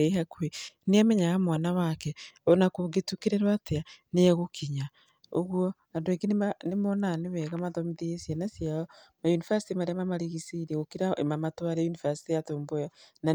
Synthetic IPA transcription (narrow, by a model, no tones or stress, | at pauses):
eiɦakueneameɲaɣamwanawakɛonakoɡetukiɾeɾwateanejaɣokʰiɲa | oɣwo | andoekinnemonaneβɛɣamaðomiðiesjanasiaɔmajunifasi̥timaɾamamaɾiɣisiɾeɣokiɾaʔḛmamatwaɾejunifasi̥tijatoːmbojana